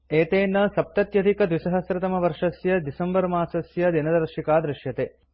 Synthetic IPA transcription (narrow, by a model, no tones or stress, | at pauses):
eːt̪eːnːɐsɐp̚t̪ɐt̪jɐd̪ʱikɐd̪ʋisɐɦɐsɾɐt̪ɐmɐʋɐɾʂɐsjɐd̪isɐmbɐɾmaːsɐsjɐd̪inɐd̪ɐɾʃikaːd̪ɾɪʃjɐt̪eː